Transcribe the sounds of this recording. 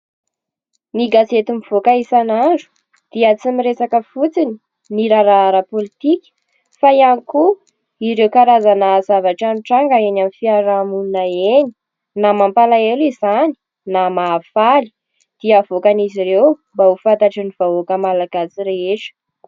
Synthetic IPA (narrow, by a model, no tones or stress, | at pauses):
niɡazet̪imiv̥okaisananɖ͡ʐu̥ | d̪̥iat͡simiɾesakəfut͡sini | niɾaɾaɾəpolit̪ikʲə̥ | fajaniku | iɾewkaɾazanazavaʈ͡ʂaniʈ͡ʂaŋɡəenamifiaɾamununaeni | namampalaelizani̥ | namaːfali̥ | d̪̥iavokaniziɾewmbaufant̪aʈ͡ʂiniv̥aokəmalaɡasiɾeeʈ͡ʂə̥